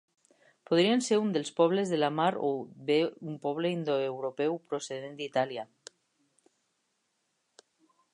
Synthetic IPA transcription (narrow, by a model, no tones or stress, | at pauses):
poð̞ɾianseɾund̪elspɔβ̞lezðelamaɾoβeumpɔβ̞leind̪oewɾopɛwpɾoseðend̪it̪alja